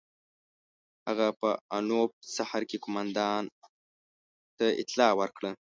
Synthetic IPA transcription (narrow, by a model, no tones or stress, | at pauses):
ha̰ɣapəanop̚sahaɾkekomand̪ɑn | t̪aɪ̰t̪lɑwəɾkɽə